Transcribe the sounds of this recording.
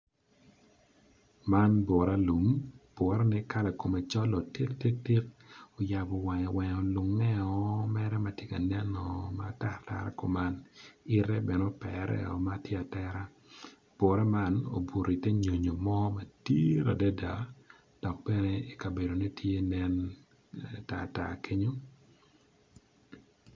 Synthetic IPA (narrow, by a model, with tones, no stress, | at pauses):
ma˦nbɔ˨ɾa˦lu˨mb̥ɔ˨ɾa˦nɛ˦ka˦la˨ko˨me˨t͡ʃɔ˦lɔ˨ti˦kti˦k̚ti˦k̚o˨ja˨bɔ˨wɛ˨ɲɔ˨wɛ˨ɲɔ˨lʊ˨ŋːɛ˦ɔ˨mɛ˦ɾɛ˦ma˨tje˦ka˨nɛ˦nɔ˨ma˨ta˦˨ɾta̰˨ɾa̰˦ko˨ma˦ni˦ɾɛ˦bɛ˨no˦pɛ̰ɾɛ̰˦ɔ̰˨matje˦a˨tɛ˦ɾa˦ | b̥o˨ɾɛ˦ma˦no̰˨bu˨ɾi˨te˦ɲo˨ɲo˨mɔ˦ma˨tḭ˦ɾa˨dɛ˦da˨ | d̥ɔ˨k̚bɛ˦ne˦i˨ka˨be˨do˨ne˦tʰje˦nɛ˦n | ta̰˨ta̰˨kʰe˦ɲo˦